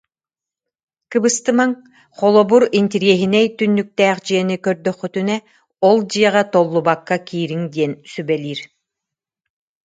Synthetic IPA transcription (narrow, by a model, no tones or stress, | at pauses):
kɯbɯst̪ɯmaŋ | χɔlˠɔbuɾint̪iɾiɛɦinɛjt̪ynːyk̚t̪æːχd͡ʑiɛnikœɾd̪œχːyt̪ynɛ | ɔlˠd͡ʑijɛʁat̪ɔlˠːubakːakiːɾiŋd̪iɛnsybɛlʲiːɾ